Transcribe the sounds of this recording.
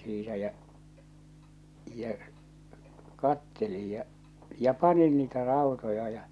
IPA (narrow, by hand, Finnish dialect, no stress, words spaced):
siːtæ jæ̠ jæ̠ kɑtːelij jɑ̟ jɑ̟ pɑnin niːtæ rɑˑotojɑ jɑ